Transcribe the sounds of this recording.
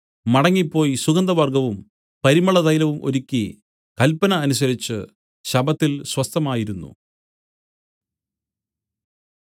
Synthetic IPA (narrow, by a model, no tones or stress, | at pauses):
mɐɽɐŋːipːo̞ːjisuɣɐnd̪ɐʋɐrɡɐʋum | pɐɾimɐɭɐðɐjlɐʋumʔo̞̰ɾikʲːi | kɐlpɐnɐːnus̬ɐɾit͡ɕːɨ̰ | ɕɐbɐt̪ːilswɐst̪ɐmaːjiɾunːṵ